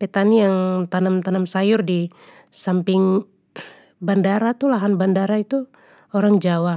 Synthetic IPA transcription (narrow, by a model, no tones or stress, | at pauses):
pet̪anijaŋt̪anamt̪anamsajʊrdi | sampɪŋ | bandaɾat̪ulaɦanbandaɾait̪u | oɾaŋd͡ʒawa